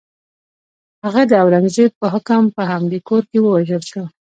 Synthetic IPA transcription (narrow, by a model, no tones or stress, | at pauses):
haɣad̪əawɾaŋzed̪̚pəɦʊkampəɦamd̪ekoɾkewəwaʒəlʃə